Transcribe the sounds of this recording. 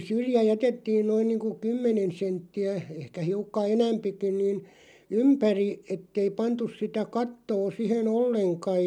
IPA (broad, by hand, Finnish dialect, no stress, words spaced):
syrjæ jætetːiːn noin niːŋku kymːenen sentːiæ ehkæ hiukːɑ enæmpikin̆ niːn ympæri etːei pɑntus sitæ kɑtːoː sihen olːeŋkɑj